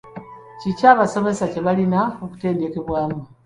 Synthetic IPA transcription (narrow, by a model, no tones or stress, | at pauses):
cicaːβaso̞me̞sace̞βalinao̞ku̥te̞ːnde̞ke̞βwaːmu